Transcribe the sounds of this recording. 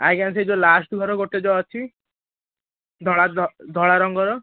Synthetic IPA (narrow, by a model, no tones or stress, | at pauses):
aɡans̬ed͡ʒolasʈɡʱɔɾɔɡoʈed͡ʒɔɔt͡ʃʰi | d̪ʱɔɭad̪ʱɔɭaɾɔŋɡɔɾɔ